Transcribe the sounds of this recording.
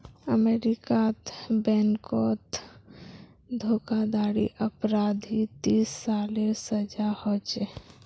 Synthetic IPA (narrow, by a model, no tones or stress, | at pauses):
əmeːɾikat̪bɛːnkɔːt̪ | d̪ʱoːkad̪aːɽḭʔəpɾaːd̪ʱit̪iːsːaːlesəd͡ʒahot͡ʃe